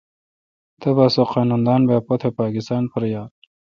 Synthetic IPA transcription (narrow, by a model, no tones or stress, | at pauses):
t̪ɐbasoqɑːnund̪ɑːnbaːpot̪ʰepaːkist̪ɑːnfəɾjaːd̪